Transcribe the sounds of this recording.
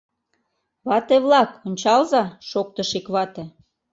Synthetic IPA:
βɑt̪eβlɑkonʲt͡ɕɑlzɑʃok̚t̪əʃikβɑt̪ĕ

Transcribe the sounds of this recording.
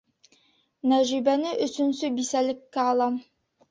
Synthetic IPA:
næʒibænɘʔɵ̆sɵ̆nsɵbisælɘ̆kːæɑlˠɑm

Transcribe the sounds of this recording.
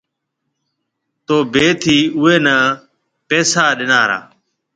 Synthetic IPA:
t̪oːbeːt̪ʰiːʊeːnaː | pɛːsaːɗɪnaːɾa̰ː

